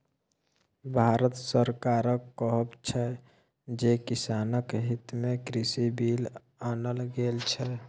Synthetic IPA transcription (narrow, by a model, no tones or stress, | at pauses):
bʱaːɾət̪səɾkaɾəkːɔɦəbt͡ʃʰɛ | d͡ʒekisaːnəkɦit̪mekɾisibil | aːnəlɡelt͡ʃʰɛ